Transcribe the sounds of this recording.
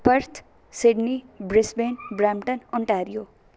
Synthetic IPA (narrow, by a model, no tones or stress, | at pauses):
pʌɾt̪ʰ | siɖnibɾisbenbramʈʌnɔɳʈaɾijo